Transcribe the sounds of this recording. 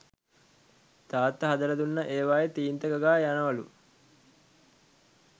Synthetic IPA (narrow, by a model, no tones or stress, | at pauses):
t̪aːt̪ːɐɦɐd̪ɐɾɐd̪unːɐʔeːʋaːjet̪iːnt̪ɐɡɐɡaːjanɐʋɐlṵ